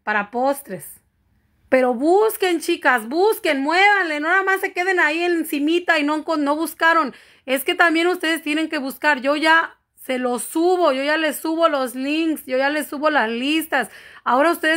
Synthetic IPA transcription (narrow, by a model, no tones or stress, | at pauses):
paɾapo̞st̪ɾe̞s | pe̞ɾo̞βuske̞nt͡ʃikasbuske̞nmwe̞βanlenonamasːe̞keð̞e̞naie̞nsimit̪ainokono̞βuskaɾo̞n | e̞ske̞t̪ambje̞nust̪e̞ð̞e̞st̪je̞ne̞ŋke̞βuskaɾʝo̞ʝa | se̞lo̞suβo̞ʝo̞ʝale̞suβo̞lo̞zliŋksɟ͡ʝo̞ʝale̞suβo̞lazlist̪asao̞ɾaust̪e̞ðes